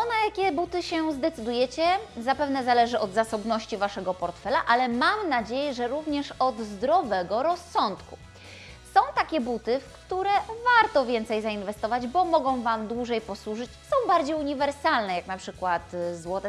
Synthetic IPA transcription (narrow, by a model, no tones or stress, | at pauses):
ɔnajakʲɛbut̪ɘɕɛzd̪ɛt̪sɘd̪ujɛt͡ɕɛzapɛvnɛzalɛʐɘʔɔd̪zasɔbnɔɕt͡ɕivaʂɛɡɔpɔɾt̪fɛlaʔalɛmamnad͡ʑejɛʐɛɾuvɲɛʂɔd̪zd̪ɾɔvɛɡɔɾɔsːɔnt̪ku | sɔ̃w̃t̪akʲɛbut̪ɘfkt̪uɾɛvaɾt̪ɔvʲjɛnt̪sɛjzainvɛst̪ɔvad͡ʑbɔmɔɡɔ̃w̃vamd̪wuʐɛjpɔswuʐɘt͡ɕsɔ̃w̃baɾd͡ʑejuɲivɛɾsalnɛjaknapʂɘkwat̪zwɔt̪ɛ